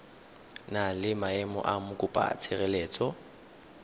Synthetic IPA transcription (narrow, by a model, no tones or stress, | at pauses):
nalɪmaɛmɔ̰ʔamʊkʼʊpʼa̰t͡sʰɪrɛleːt͡sʼɔ